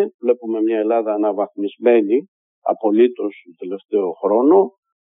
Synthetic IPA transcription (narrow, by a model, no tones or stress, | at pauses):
vle̞pume̞mɲɐe̞lɐðɐːnɐvɐxmizme̞ni | ɐ̰po̞lit̪o̞st̪ot̪ele̞ft̪e̞o̞xɾo̞no̞